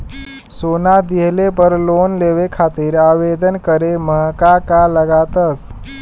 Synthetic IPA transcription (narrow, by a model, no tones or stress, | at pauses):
soːnad̪iɦlepəɾlonleʋekʰat̪iɾaʋed̪ənkəɾeməɦkakaləɡat̪əs